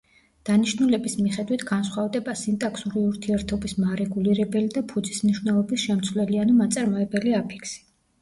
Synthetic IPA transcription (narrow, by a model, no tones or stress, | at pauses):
d̪̥aniʃnulɛbismiχɛd̪wit̪ʰɡansχwavd̪ɛbasint̪ʼakʰsuɾiuɾt̪ʰiɛɾt̪ʰɔbismaɾɛɡuliɾɛbɛlid̪apʰud̪zismniʃwnɛlˠɔbisʃɛmt̪sʰvlɛlianumat̪sʼaɾmɔɛbɛliapʰi̥kʰsi̥